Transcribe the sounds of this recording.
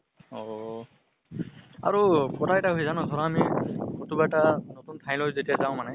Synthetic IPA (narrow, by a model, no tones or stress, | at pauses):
ɔ | a̰ɹukɔtʰaɛtaɦojzanɔɡʰʱɔɹaamikʰotubatanotuntʰaj̃lɔzetijazaʊ̃manɛ